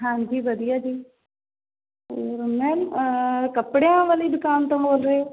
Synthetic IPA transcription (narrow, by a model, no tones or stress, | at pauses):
ɦãːd͡ʒiːbəd̪ijaːd͡ʒiː | oːɾmɛ̃ːnkəpɽeãːʋəliːd̪ʊkaːnt̪õːboːlɾəeː